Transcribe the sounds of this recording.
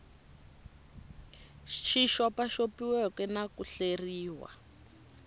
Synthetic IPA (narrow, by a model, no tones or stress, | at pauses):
ʃiʃɔpaʃopiwɛkɛnakuɬeriːwa̰